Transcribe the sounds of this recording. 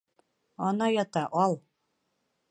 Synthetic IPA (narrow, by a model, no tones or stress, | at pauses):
ɒnɑjɑt̪ɑʔɒlˠ